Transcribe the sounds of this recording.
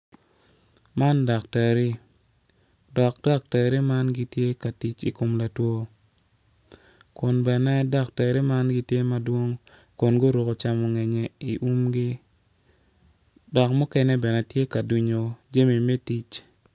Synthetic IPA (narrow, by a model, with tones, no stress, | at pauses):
ma˦nda˨kta˨ɾi˦ | dɔ˨k̚d̥a˦k̚ta˨ɾi˦ma˦nɡi˦tje˦ka˨ti˦t͡ʃi˨ko˨mla˨two˦ | kʊ˨nbɛ˨nɛ˦da˦kta˨ɾi˦ma˦nɡi˦tje˦ma˦dwo˦ŋ | ko˨nɡo˦ɾo˨ko˨t͡ʃa˨mɔ˨ŋɛ˨ɲɛ˨i˨ʔu˦mɡi˦ | dɔ˨kmu˦kɛ˦nɛ˦bɛ˨nɛ˨tje˦ka˨du˨ɲo˨d͡ʒe˦mi˨me˦ti˦t͡ʃ